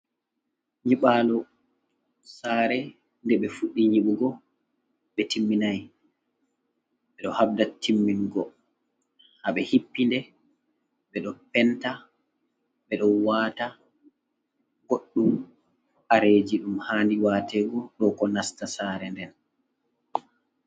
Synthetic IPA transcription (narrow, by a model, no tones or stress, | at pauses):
ɲiɓaːlɔ | saːɾɛ | ndɛɓɛfuɗːiɲiɓuɡɔ | ɓɛtimːinaj | ɓɛɗɔhab̚datʰːimːinɡɔ | haɓɛhipːindɛ | ɓɛɗɔpɛnta | ɓɛɗɔnwaːta | ɡoɗːum | ʔaɾeːd͡ʒiɗumhaːndiwaːtɛɡɔɗɔkɔnastasaɾɛndɛn